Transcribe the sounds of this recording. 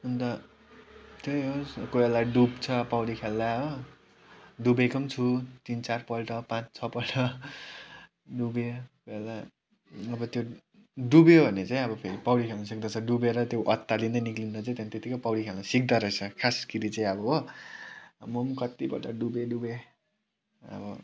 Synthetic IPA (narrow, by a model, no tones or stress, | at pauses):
unt̪ʌ | t̪ʰjojɦoskoelːaɖubt͡sʰʌpawɽikʰelːaɦo | ɖubekʌmt͡sʰut̪int͡sarpʌlʈʌpãt͡st͡sʰʌpʌlʈʰʌ | ɖubekojelːa | ʌbʌt̪jo | ɖubebʱʌnet͡saĩʌbʌpʰeɾipawɽikʰelnasik̚d̪ʌt͡sʰʌɖubeɾʌt̪joʔʌt̪ːalind̪ʌniklindʌt͡saĩt̪jant̪et̪ikʌpawlikʰelnasik̚d̪ʌɾʌt͡sʰʌkʰaskiɾit͡saĩʌbʌɦo | momkʌt̪ibʌ̰ʈʌɖubeɖube | ʌ̰bʌ